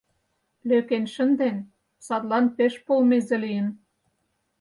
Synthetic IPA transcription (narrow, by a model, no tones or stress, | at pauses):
løkenʃə̆nd̪en | sɑt̪lɑnpeʃpolmezelijə̆n